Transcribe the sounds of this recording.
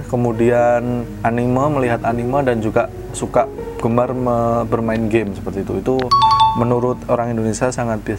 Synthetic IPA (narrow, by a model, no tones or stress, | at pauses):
kəmudian | animaməliɦat̪animadand͡ʒuɡaʔ | sukaʔ | ɡ̥əmarməbərmaɪnɡemsə̥pərt̪iːt̪uit̪umənuɾʊt̪oɾaŋindonesiasaŋat̪̚bi